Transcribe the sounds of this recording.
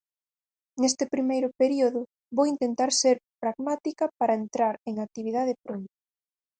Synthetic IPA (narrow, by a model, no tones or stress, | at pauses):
nest̪ɪpɾimejɾʊpeɾioðʊ | βowint̪ent̪aɾseɾpɾaɣmat̪ikɐpaɾɐent̪ɾaɾeŋak̚t̪iβ̞iðað̞epɾont̪ʊ̥